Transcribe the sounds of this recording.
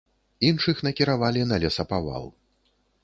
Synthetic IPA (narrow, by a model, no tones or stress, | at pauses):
inʂɨxn̪ɐkʲiɾavalʲinɐlʲɛsɐpava̰lˠ